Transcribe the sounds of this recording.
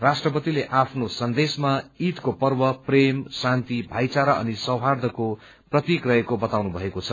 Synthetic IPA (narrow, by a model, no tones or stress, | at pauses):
rasʈrʌpʌt̪ileʔapʰnosʌnd̪esmait̪kopʌrbʌpremsant̪ibʱajt͡saɾaʔʌ̰nisʌwɦard̪ʱʌko | prʌt̪ikrʌekobʌt̪awnubʱʌekot͡sʰʌ